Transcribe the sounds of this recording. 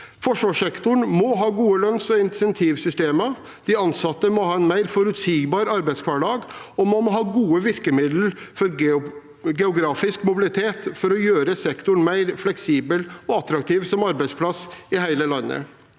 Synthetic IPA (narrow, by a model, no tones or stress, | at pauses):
fɔʂʋɑːʂɛkt̪ʊɳmɔɦɑːɡuːəlœnsɔɪnɪsɛnt̪ʰiːʋsʏst̪eːmə | d̪̥ɪɑnsɑt̪ːəmɔhɑːɛnmæɪɾfɔɾʉt̪siːɡbɑːɾɑɾbæɪt̪skʰʋæːɖɑːɡɔmɑmɔɦɑːɡuːəʋɪɾkəmɪd̪ləfɔɾ | ɡɛʊɡɾɑːfɪskmʊbɪlɪt̪ʰeːt̪fɔɾɔjøːɾəsɛkt̪ʊɳmæɪɾflɛksiːbəlɔɑt̪ɾɑk̚t̪ʰiːʋsɔmɑɾbæɪspʰlɑsɪhæɪləlɑnːə̰